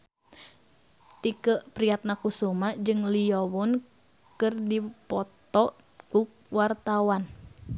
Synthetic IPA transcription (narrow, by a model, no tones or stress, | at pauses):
t̪ikəpɾiat̪̚nakusomad͡ʒɨŋlijowɔn | kɨrdipɔt̪ɔʔ | kuk̚wart̪awan